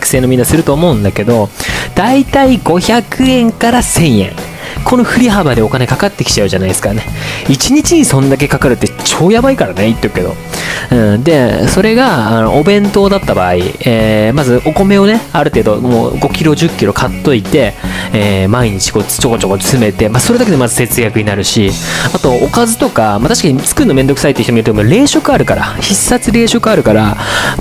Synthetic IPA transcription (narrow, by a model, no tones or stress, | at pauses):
kɯ̟̥se̞ːnomʲĩnːasɨɾɯ̟t̪o̞ːmo̞ɯ̟̃nd̪ake̞d̪o̞d̪̥ait̪aiɡo̞çakʰɯ̟ẽ̞ŋkaɾasẽ̞ɰ̃jẽ̞̰ŋ | kʰo̞no̞ɸɯ̟ɾʲiɦabad̪e̞o̞kane̞kakat̪ːe̞kʲi̥t͡ɕaɯ̟ʑanaiesɨ̥kane̞it͡ɕiɲ̟it͡ɕiɲ̟isõ̞nd̪ak̬e̞kakaɾɯ̟t̪ːe̞t͡ɕo̞ːjabaikaɾane̞it̪ːekɯ̟ke̞d̪o̰ɯ̟̃ɴd̪e̞so̞ɾe̞ɡaːno̰ʔːbẽ̞nt̪o̞ːd̪at̪ːaba̰ːḭeːmazɨʔo̞ko̞me̞o̞ne̞aɾɯ̟t̪e̞ːd̪o̞mo̰ːɡo̞kʲiɾo̞ʑɨkʲːiɾo̞kʰat̪ːo̞it̪e̞eːmaiɲ̟it͡ɕi̥ko̞̥ːt͡ɕo̞kot͡ɕoko̞̥sɨme̞t̪e̞maso̞ɾe̞d̪aked̪e̞mazɨse̞t͡sɨɡjakɯ̟ɲinaɾɯ̟ɕiat̪o̞okazɨt̪o̞kamat̪aɕi̥kaɲ̟it͡sɨ̥kɯ̟nːomẽ̞nd̪o̞kɯ̥sait̪ːeiçit̪omiɾt̪omoɾe̞ːɕo̞kɯ̟aɾɯ̟kaɾaçisːat͡sɨɾe̞ːɕo̞kɯ̟aɾɯ̟kaɾa